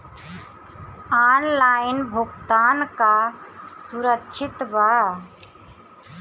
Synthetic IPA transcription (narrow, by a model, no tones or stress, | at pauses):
aːnlaːɪnbʱʊɡt̪aːnkasuɾəkt͡ʃʰɪt̪baː